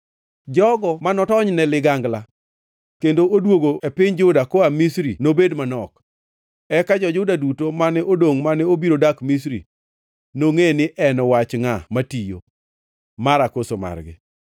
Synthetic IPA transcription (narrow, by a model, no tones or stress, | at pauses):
d͡ʒɔɡɔmanɔtɔɲnɛlɪɡaŋɡla | kendoʔodwoɡoepɪɲd͡ʒʊdakoamisɾinobedmanɔk | ɛkad͡ʒɔd͡ʒʊdadutomanɛodoŋmanɛobiɾodakmis̬ɾi | noŋenɪʔɛnɔwat͡ʃŋamatijo̰ | maɾakosoma̰rɡɪ̰